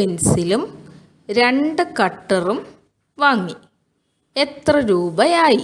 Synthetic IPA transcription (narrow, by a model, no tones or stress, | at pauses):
insilum | ɾe̞ɳɖɨkɐʈːɐrum | ʋaːŋːi | et̪rɐɾuːbɐjaːji